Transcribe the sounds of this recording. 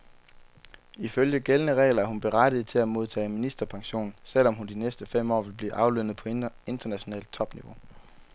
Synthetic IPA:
iføljəɡ̥elnəʁɛ̰ːlɐæɐhunb̥e̝ʁad̥ð̩ˠt͡sʰe̝læmo̝ð̞ˠt͡sʰɛ̰ːminisd̥ɐpʰɑ̈ŋɕo̝̰ːn̩sel̰ɒ̽mɦund̥inesd̥əfem̰ɒ̰ːʋe̝lb̥lḭːʔɑ̈ʊlø̰nð̩ˠpʰɒ̽e̝nd̥ɐnæɕo̝nɛ̰ːld̥̚t͡sʰɒ̽b̥niʋo̝

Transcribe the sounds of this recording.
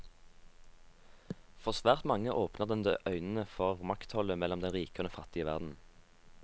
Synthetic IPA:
fɔʁsʋæːʁt̪mɑŋəʔoːpnəʁd̪ɛnd̪əʔœʏnən̩əfɔʁmɑkt̪hɔləmɛlɔmd̪ɛnʁiːkəʁnəfɑt̪ɪəʋæ̰ʁd̪n̩

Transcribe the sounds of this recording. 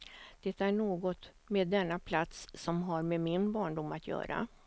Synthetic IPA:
d̪̥ɛt̪æɳoːɡɔt̪ | meːd̪ːɛnːapʰlat̪sːɔmɦaɾmemɪnbɑːɳɖʊmːat̪jœ̰ːɾa̰

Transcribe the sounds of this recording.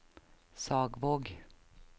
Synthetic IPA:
sɑːɡvoːɡ

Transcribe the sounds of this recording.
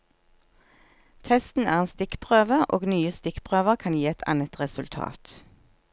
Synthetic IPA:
t̪ʰɛst̪n̩æ̰ːʁeːnst̪ɪkpʰʁøːʋəʁʔo̰ːɡnyːəst̪ɪkpʰʁøːʋəʁkʰɑnjiːɛt̪ʰɑ̰nət̪ʁɛsʉlt̪ʰɑ̰ːt̪

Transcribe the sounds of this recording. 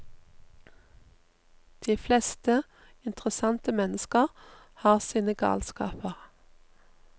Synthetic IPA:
d̪̥iːflɛst̪ə | ɪnt̪ʁəsɑnt̪əmɛnəskəʁ | hɑːʁsiːnəɡɑ̰ːlskɑ̰ːpəʁ

